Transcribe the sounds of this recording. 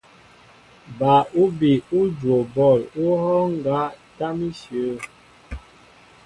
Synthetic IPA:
ba˨u˦bi˨u˦d͡ʒwo˨bɔ˦˨lu˦hɔ˦ŋ˨ɡa˦ta˦mi˦sjo˨˦

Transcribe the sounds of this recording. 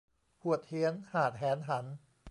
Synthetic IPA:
kʰu˨˩ət̪̚hi˩˦ənhaː˨˩t̪̚hɛː˩˦˥nɦa˩˦n

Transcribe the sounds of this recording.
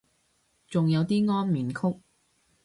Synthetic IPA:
t͡sʊ˨ŋjɐ˨˧wt̪iː˥ŋɔː˥nmiː˨˩nkʰʊ˥k̚

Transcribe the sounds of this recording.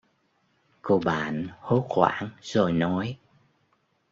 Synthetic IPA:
ko˧ɓa̰ː˧˨nho˨˦xwa̰ː˧˥nzo˨˩jnɔ˨˦j

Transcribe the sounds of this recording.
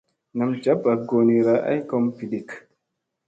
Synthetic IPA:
na˨md͡ʒa˦ba˨ɡo˨ni˨ɾaʔa̰˦jkɔ˦mpi˨di˨k

